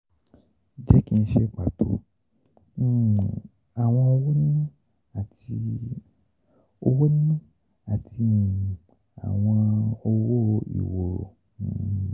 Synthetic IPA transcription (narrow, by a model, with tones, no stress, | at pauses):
d͡ʒɛ˦ki˦˧n̩˦ʃe˧˦k͡pa˨to̰˨˦˨ | a˨w̃ɔ̃˧o˧wo˦nĩ˦nũ˦ | a˨ti˧ | o̰˧wo˦nĩ˦nũ˦ | a˨tʰi˧˨ | a̰˨w̃ɔ̃˧o˧wo˦˧ḭ˨wo˨ɾõ̰˨˧˨